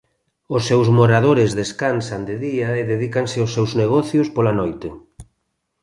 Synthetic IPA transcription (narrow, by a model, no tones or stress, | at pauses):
osːewzmoɾaðoɾezðeskansand̪eðiaeðeðikaŋsɪosewzneɣ̞ɔθjospolanojt̪e